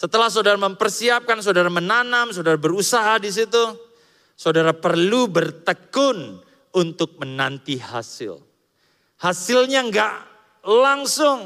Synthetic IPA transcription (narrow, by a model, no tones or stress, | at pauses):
sət̪əlahs̬aodaɾaməmpərsiap̚kansaodaɾamənanamsaodaɾabəɾusaɦadis̬it̪u | saodaɾapərlubərt̪əkʊn | unt̪ʊk̚mənant̪iha̰sɪ̰l | hasɪlɲaŋɡaʔ | laŋsʊŋ